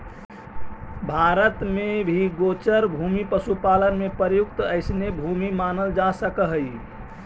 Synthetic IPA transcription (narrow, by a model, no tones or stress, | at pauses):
bʱaɾət̪mebʱiɡot͡ʃəɾbʱumipəsupalənmepəɾjukt̪əɪsnebʱumimanəld͡ʒasəkəɦəj